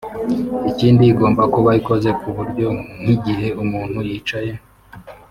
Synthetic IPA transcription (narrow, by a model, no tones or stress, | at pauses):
iciːndiːɡo̞ːmbakoβaɾiko̞ze̞kuβuɾɟo̞ŋ̥iɟiɦe̞umuːn̥hujiːt͡ʃaje̞